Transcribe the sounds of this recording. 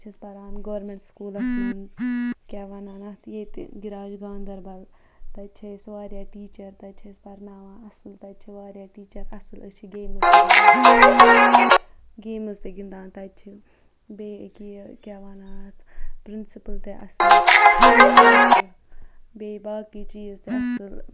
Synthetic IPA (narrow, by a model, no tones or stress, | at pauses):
t͡ʃʰispɐɾaːnɡɐʋɐɾmeɳʈskuːlɐsmɐnzkʲɛʋaːnaːnɐt̪ʰjeːt̪ɡiɾaːd͡ʒɡãːnd̪ɐɾbɐl | t̪ɐt͡ʃʰesʋaːɾjaːʈiːt͡ʃɐɾt̪ɐt͡ʃʰɐspɐɾnaːʋãːɐsɨlt̪ɐt͡ʃʰiʋaːɾjaːʈiːt͡ʃɐɾɐsɨlɐt͡ʃʰiɡeːmɨz | ɡeːmɨzt̪eɡind̪aːnt̪ɐt͡ʃʰi | beːkekʲaːʋaːnaːt̪ʰpɾɪnsipɨlt̪eʔɐs | beːbaːkit͡ʃiːzt̪eɐsɨl